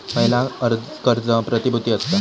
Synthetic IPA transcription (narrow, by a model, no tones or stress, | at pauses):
məɦjlaəɾkəɾd͡zəpɾət̪ibʱut̪iːəst̪a